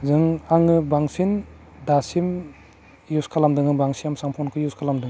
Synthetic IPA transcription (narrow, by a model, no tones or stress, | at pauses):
zɯŋaŋɯbaŋsin | dasim | juskʰalamdɯŋɯbaŋsijamsampʰɔnkʰɯjuskʰalamdɯŋ